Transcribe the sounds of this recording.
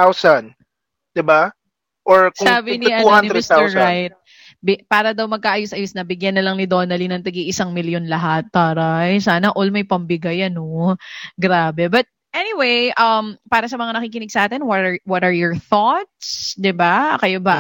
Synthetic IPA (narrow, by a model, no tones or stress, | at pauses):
awsɐn | d̪̥ɪba | ʔoɹksːbɪnɪʔɐnuohaniɾmɪst̪aɛɹajt̪̚ | bɪpaːɾɐd̪awmɐɡ̚kaʔɐjʊsʔɐjʊsnɐbɪɡjɐnːɐlɐŋnɪd̪o̞ːnɐlinɐŋt̪ɐɡiʔɪsaŋmɪljonlɐɦat̪̚paːɾɐjsaːnɐʔolmɐjpɐmbɪɡajɐnoɡɾaːbɛbɐt̪̚ | ʔɛniwejʔɐmpaːɾɐsɐmɐŋanɐkiːkɪnɪɡ̚sɐʔaːt̪ɪnwɐt̪ɐwɐt̪ɐɹjɔɹθɔt̪̚sd̪ɪbakɐjobɐ